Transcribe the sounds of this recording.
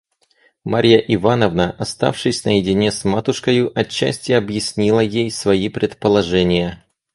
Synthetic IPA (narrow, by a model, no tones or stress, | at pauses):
maɾʲjəʔɪvanəvnəʔɐst̪a̰fʂɨsʲnəjɪdʲɪnʲesmat̪ʊʂkəjʊʔɐt͡ɕːæ̰sʲtʲɪɐbjɪsʲnʲilˠəjejsvɐipɾʲɪt̪pəlˠɐʐɛnʲɪjə